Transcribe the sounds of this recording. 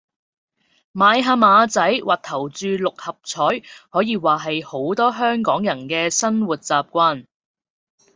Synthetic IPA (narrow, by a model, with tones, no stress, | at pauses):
maː˨˧jɦaː˧maː˨˧t͡sɐ˨˥jwʔaː˨˩k̚t̪ʰɐ˨˩wt͡ʃyː˨˧lʊ˨k̚hɐ˨p̚t͡sʰɔː˨˥jhɔː˨˥jiː˨˧waː˨˩ɦɐ˨jho˨˥wt̪ɔː˥ɦœː˥ŋkɔː˨˥ŋjɐ˨˩nkɛː˧sɐ˥nwuː˨˩t̚t͡saː˨p̚kʷaː˧˥n